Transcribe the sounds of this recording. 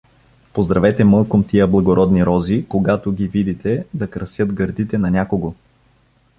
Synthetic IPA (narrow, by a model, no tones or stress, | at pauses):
pozd̪ɾɐvɛt̪ɛmɤlˠkomt̪iəblˠɐɡoɾɔd̪niɾɔzikoɡat̪oɡʲivid̪it̪ɛd̪ɐkɾɐsjɤt̪ɡɐɾd̪it̪ɛnɐnʲakoɡo